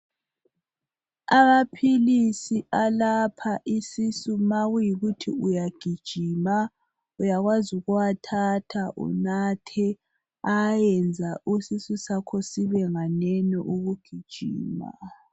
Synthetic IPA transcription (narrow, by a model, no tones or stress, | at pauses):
amapʰilisialapʰaʔisisumaɣujiɣutʰiujaɡ̥ʱid̥ʒ̥ʱiːma | ujaɣwazuɣuwatʰatʰaʔṵnatʰɛ | ajɛnd͡zʱausisusakʰɔsiβɛŋanɛnɔʔuɣuɡ̥ʱid̥ʒ̥ʱḭːma̰